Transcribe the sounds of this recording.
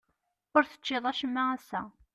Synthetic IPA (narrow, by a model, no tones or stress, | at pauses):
ʊɾθə̥t͡ʃːɪðˤæʃəmːaæsːæ̰